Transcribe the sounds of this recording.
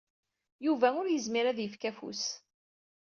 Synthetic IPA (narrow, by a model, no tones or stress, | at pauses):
juvæʊɾjəzmiɾæðjəfkæfṵs